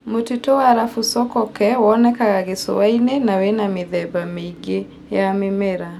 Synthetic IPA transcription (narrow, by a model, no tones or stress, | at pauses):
motitɔwaɾafusɔkɔkɛwɔnɛkaɣaɣeso̰wainɛnawɛnameðɛbameiɡe | jamemɛɾa